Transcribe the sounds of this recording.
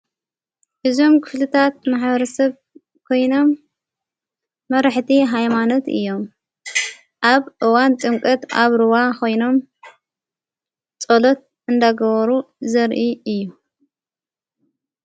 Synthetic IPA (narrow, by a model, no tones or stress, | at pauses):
ʔɨzo̞mkʰɨ̥flɨt̪ʰat̪̚maħbɐɾɐsɐβ | kʰo̞jno̞m | ɐɾaħt̪ʰiɦajmanot̪ɨ̰jːo̞m | ʔaβʔɨwant̪ʼɨŋkʼɐt̪a̰βɾɨwakʰo̞jno̞m | t͡sʼolot̪̚ | ʔɨnd̪aɡɐβɐɾu | zɐɾʔiɨjːu